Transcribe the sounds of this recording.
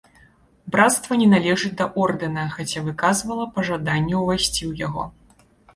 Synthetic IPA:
bɾat̪st̪vɐnʲɛnalʲɛʐɨd͡zʲd̪ɐʔɔrd̪ɨnɐxat͡sʲavɨkazvɐlˠɐpɐʐad̪anʲːɛwvasʲt͡sʲiwjaɣɔ̰

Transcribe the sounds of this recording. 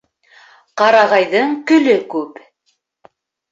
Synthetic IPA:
qɑɾɑʁɑjðɤɴkɵ̆lɵkʉp

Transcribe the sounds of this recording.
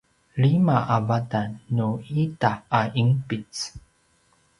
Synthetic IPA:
ɭimaʔavadanːuitaːimpit͡s

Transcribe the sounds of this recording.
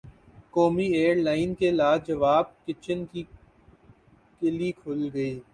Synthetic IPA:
koːmieːəɾlaːɪnkelaːd͡ʒɐʋaːb̚kɪt͡ʃənki | kɪlikʰʊlɡɐiː

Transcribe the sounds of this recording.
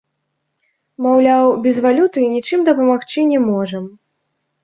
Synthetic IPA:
mawlʲawbʲɛzvalʲut̪ɨnʲit͡ʂɨmd̪ɐpɐmaxt͡ʃɨnʲɛmɔʐɐm

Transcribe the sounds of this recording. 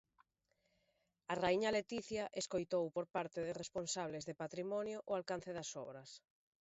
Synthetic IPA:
araiɲɐlet̪iθjaʔeskojt̪owpoɾpaɾt̪ɪðɪresponsaβ̞lezðepat̪ɾimɔnjʊʔʊalkan̟θeðɐsɔ̰βɾɐs

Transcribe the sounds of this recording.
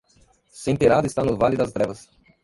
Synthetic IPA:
sẽj̃peɾad̪ʊɪst̪anʊvalɪd̪ɐst̪ɾɛvɐs

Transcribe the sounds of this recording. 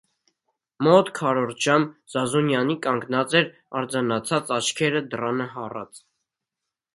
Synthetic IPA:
mɔt̪kʰɑɾɔɾʒɑmz̥ɑzunjɑnikɑŋɡnɑt͡sɛɾ | ɑɾd͡zɑnɑt͡sʰɑt͡sɑt͡ʃʰkʰɛɾəd̪ərɑnəɦɑrɑ̰t͡s

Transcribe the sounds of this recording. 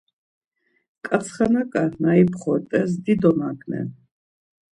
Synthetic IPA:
kʼat̪sʰχanakʼanaipʰχɔt̪ʼɛs̬d̪id̪ɔnaɡnɛ̰

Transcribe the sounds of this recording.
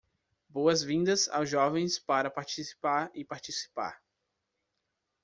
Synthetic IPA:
boɐzvĩnd̪ɐza̰wzʒɔvẽj̃spaɾɐpaɾt͡ʃisi̥paɾɪpaɾt͡ʃisi̥pa̰ɾ

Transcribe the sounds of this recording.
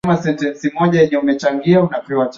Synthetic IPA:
masɛntɛnsimɔʄajɛɲɛumɛt͡ʃaŋɡiaunakɾiwat͡ʃ

